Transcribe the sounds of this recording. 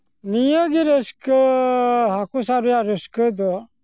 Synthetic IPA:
nijəɡiɾəskə | ɦakusaɾujaɾəskəd̪ɔ

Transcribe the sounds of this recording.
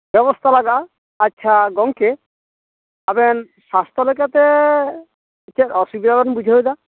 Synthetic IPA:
bɔβɔst̪ʰalaɡaː | tːʃʰaɡɔŋke | abɛn | sast̪ʰɔlɔjkat̪e | tt͡ʃʰaɔsubid̪aɡɔnbud͡ʒʱaɦojd̪a

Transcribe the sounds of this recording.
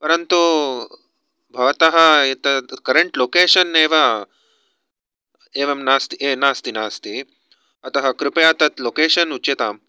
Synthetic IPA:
pɐɾɐnt̪u | bʱɐʋɐt̪ɐɦɐ̆et̪ɐkɐɾeɳʈloːkeːʃɐnːeːʋɐ | eːʋɐmnaːst̪ieːnaːst̪inaːst̪i | ɐt̪ɐɦɐ̆kɾɪpɐjaːt̪ɐt̪loːkeːʃɐnut͡ʃɐt̪aːm

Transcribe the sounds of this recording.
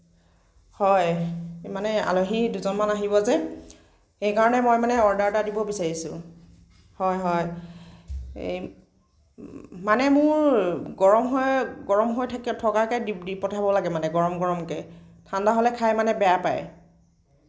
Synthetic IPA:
hɔjmanɛa̰loɦiduzɔnmanaɦibɔzɛ | xejkaɹɔnɛmɔjmanɛɔɹdaɹtadibɔbisaɹisʊ̰̃ | hɔjɦɔj | manɛmʊɹɡɔɹɔmɦɔjɡɔɹɔmɦojtʰakɛtʰɔkakɛdidipɔtʰabɔlaɡɛmanɛɡɔɹɔmɡɔɹɔmkɛ | tʰandaɦolɛkʰajmanɛbɛjapa̰j

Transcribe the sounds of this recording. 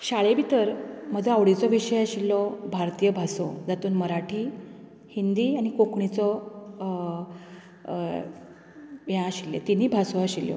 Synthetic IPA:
ɕaɭebʱit̪əɾm̤əd͡zəaʋɽit͡sɔʋiɕəjaɕilːɔbʱaɾt̪ijəbʱasod͡zat̪uːnməɾaʈʰiː | hind̪iːaɽ̃ikokɳit͡sɔ | ʋjãaɕilːḛt̪inːiːbʱasoaɕiljɔ̰

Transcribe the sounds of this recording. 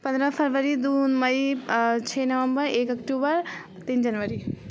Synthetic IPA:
pɐ̃nd̪ɾəpʰɐɾʋəɾid̪unmɐit͡ʃʰenɐʋəmbəɾeːkɐkʈuːbəɾ | t̪ind͡ʒɐnʋəɾi

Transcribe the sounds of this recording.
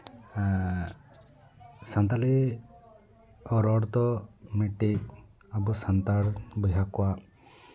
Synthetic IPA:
sant̪ali | ɔɾɔɽt̪ɔmiʈi | abusant̪aɽbɔjɦakɔa

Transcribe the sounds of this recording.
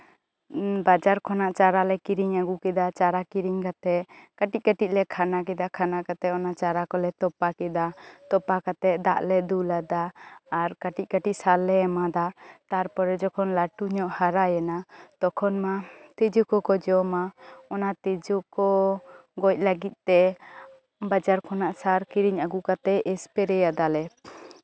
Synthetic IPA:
bad͡ʒaɾkʰɔnaʔt͡ʃaɾalɛkiɾiɲaɡukɛd̪at͡ʃaɾakiɾiɲkat̪ɛkaʈic̚kaʈic̚lɛkʰanak̬ɛd̪akʰanakat̪ɛɔnat͡ʃaɾakɔlɛt̪ɔpakɛd̪at̪ɔpakat̪ɛʔd̪aʔlɛd̪ulad̪aːɾkaʈic̚kaʈic̚salɛɛmad̪at̪aɾpɔɾɛd͡ʒɔkʰɔnlaʈuɲɔʔhaɾajɛnat̪ɔkʰɔnmat̪ɛd͡ʒukɔkɔd͡ʒɔmaɔnat̪ɛd͡ʒukɔɡɔc̚laɡit̪̚t̪ɛ | bad͡ʒaɾkʰɔnaʔsaɾkiɾiɲaɡukat̪ɛɛspɛɾɛjad̪alɛ

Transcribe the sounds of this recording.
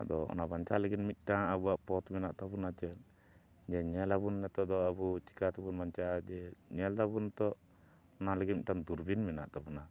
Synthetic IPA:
a̰d̪ɔɔ̰nabaɲt͡ʃaləɡinmit̪̚ˀʈaŋabuaʔpɔt̪mɛnaʔt̪abunat͡ʃɛn | d͡ʒɛɲɛlabunːɛt̪ɔd̪ɔabut͡ʃi̥kat̪abunbaɲt͡ʃaʔad͡ʒɛɲɛld̪abunt̪ɔ | ɔnalɛɡiʈaŋd̪uɾbinmɛnaʔt̪abuna

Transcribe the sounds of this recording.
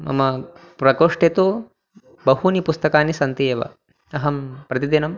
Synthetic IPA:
mʔɐ̰mɐpɾɐkoːʂʈet̪u | bɐɦunipust̪ɐkaːnisɐnt̪ijɐʋɐ̰ | ɐɦɐmpɾɐt̪id̪inɐm

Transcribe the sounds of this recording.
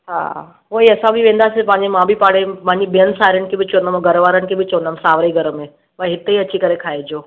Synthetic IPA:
ha̰ː | ɦoiɐsãbʱiʋẽːnd̪asepãːɲd͡ʒemãbʱipaːɽemãɲd͡ʒibjənsaːɾənkebʱit͡ʃoːnd̪əmɡəɾəʋaːɾəɳkebit͡ʃond̪əmsaːʋɾəiɡəɾəmẽ | mãɦɪt̪ːiəːt͡ʃʰikəɾekʰaːed͡ʒoː

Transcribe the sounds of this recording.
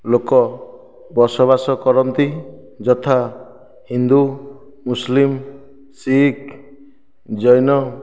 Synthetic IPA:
lokɔ | bɔɾsɔβasɔkɔɾɔnt̪i | d͡ʒɔt̪ʰa | hind̪u | muslim | sik | d͡ʒɔjnɔ

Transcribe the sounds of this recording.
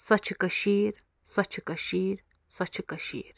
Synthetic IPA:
sat͡ʃʰikaʃiɾ | sat͡ʃʰikaʃiɾ | sʷat͡ʃʰikaʃḭːɾ

